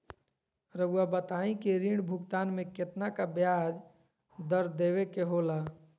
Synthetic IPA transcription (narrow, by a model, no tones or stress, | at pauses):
ɾəbuabət̪aĩkeɾiɳbʱukt̪anmeket̪nakabjad͡ʒ | d̪əɾd̪ebekeɦola